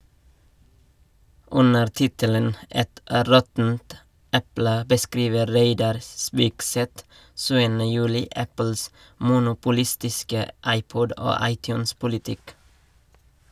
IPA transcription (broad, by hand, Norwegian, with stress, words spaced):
ˈʉnəɾ ˈtɪtələn ˈɛt ˈɾɔtn̩t ˈɛplə bəˈskɾiːʋə ˈɾeɪdɑɾ ˈspiːkˌsɛt ˈʃʉːənə ˈjʉːlɪ ˈæpəls mʊnʊpʊˈlɪstɪskə ˈɑɪˌpɔd ˈoː ˈɑɪˌtjʉːnspʊlɪˌtɪk